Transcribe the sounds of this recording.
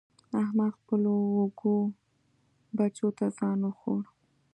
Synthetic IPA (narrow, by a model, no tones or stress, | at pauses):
ahmɑxpəloːɡo | bat͡ʃot̪azɑnoxo̰ɽ